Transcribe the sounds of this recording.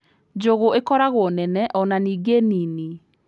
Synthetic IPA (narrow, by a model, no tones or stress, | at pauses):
d͡ʑoɣoekɔɾaɣɔnɛnɛʔɔnaniːɡenini